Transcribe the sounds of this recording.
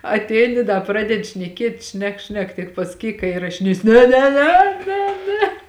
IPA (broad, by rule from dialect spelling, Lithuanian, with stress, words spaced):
ɐtʲˈɛɪnʲɪ ˈdɐ ˈprɑːdʲɛdʲɪ ʃʲnʲɛˈkʲiɛtʲ ˈʃʲnʲɛk ˈʃʲnʲɛk tʲɪk pɐsɐˈkʲiːk kɐ ɪrɐʃʲɪˈnʲeːsʲɪ nʲɛ nʲɛ ˈnʲɛ ˈnʲɛ ˈnʲɛ